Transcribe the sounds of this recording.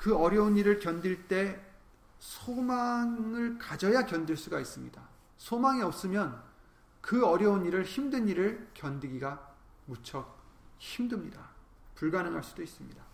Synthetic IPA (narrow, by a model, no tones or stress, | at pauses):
kɯʌɾjʌuniɾɯɭkjʌndiɭt͈e̞ | sʰomaŋŋɯɭkad͡ʑʌjakjʌndiɭs͈uɡais͈ɯmɲḭda | sʰomaŋiʌp̚s͈ɯmjʌn | kɯʌɾjʌuniɾɯɭçimdɯniɾɯɭkjʌndɯɡiɡa | mut͡ɕʰʌk̚çimdɯmɲida | puɭɡanɯŋɦaɭs͈u̥dois͈ɯmɲida